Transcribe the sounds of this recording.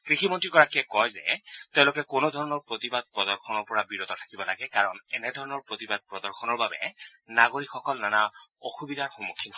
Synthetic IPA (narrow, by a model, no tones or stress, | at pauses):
kɹiximɔntɹikɔɹakiɛkɔjzɛ̰teʊ̃lokɛkonod̪ʱɔɹɔnɔɹpɹot̪ibad̚pɹɔdɔɹxʰɔnɔɹpɔɹabiɹot̪ɔtʰḁkibɔlaɡɛkaɹɔnɛnɛdʱɔɹɔnɔɹpɹot̪ibad̚pɹɔdɔɹxʰɔnɔɹbabɛ̰naɡoɹikxɔkɔlnanaoxubid̪aɹxomukʰːinɔ